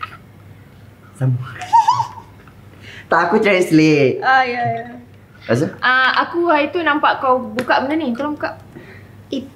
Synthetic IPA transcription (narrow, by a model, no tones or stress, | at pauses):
sama | t̪aʔakut͡ʃaɾiʔsletajaja | kas̬əʔaakuɦajt̪unãmpaʔkawbukaʔbəndanĩt̪olabukaʔ | i